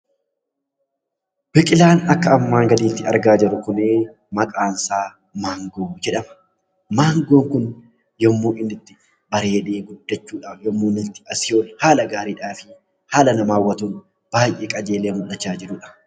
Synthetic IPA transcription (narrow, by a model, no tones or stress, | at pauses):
b̥ɪkʼɪlaːnɐkːɐɐmːaːŋɡɐd̪iːt̪ːɪɐ̰ɾɡaːd͡ʒɐɾʊkʊneː | mɐkʼaːnsaː | maːŋɡoːd͡ʒɛᶑɐmɐ̥ | maːŋɡoːŋkʊn | jɔmːoːʔɪnɪt̪ːɪ̥ | bɐɾeːᶑeːɡʊd̪ːɐt͡ʃːuːᶑaːjɔmːoːnɪt̪ːɪ̥ɐsɪjoːnhaːlɐɡaːɾiːᶑaːfɪ | haːlɐnɐmaːwːɐt̪un | b̥aːjʔeːkʼɐd͡ʒe̞ːlemʊᶑɐt͡ʃːaːd͡ʒɪɾʊːᶑɐ̥